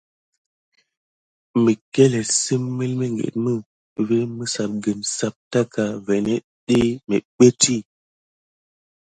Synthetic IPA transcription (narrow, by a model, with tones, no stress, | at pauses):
mi˨ke˦le˨si˦mːe˦lme˦ŋɡḛ˨t̚mə˦ | ve˦mə˦sa˨p̚ɡə˨msa˦p̚ta˦ka˨vɛ˨ne˦ | ɗe˦mḛ˨ɓe˦ti˦˨